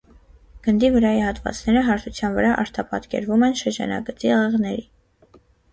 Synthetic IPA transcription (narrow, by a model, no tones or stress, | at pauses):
ɡ̥ənd̪ivəɾɑjihɑt̪vɑ̰t͡snɛɾəɦɑɾt̪ʰut͡sʰjɑnvəɾɑʔɑɾt̪ʰɑpɑt̪kɛ̰ɾvumɛnʃəɾd͡ʒɑ̰nɑ̰ɡət͡siʁɛʁnɛɾi